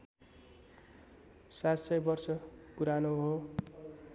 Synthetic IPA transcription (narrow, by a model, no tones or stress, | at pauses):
sat̪sʌjbʌrsʌpuɾanoɦo